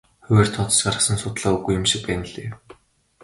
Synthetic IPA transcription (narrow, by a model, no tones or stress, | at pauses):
xʊweːrt̪ʰɔt͡s̪ɞ̥̆t͡ɕɢaɾə̆χsə̆nsʊt̪ɮaːuɣujːʊ̆mʃĭk̚pæːn̆ɮeː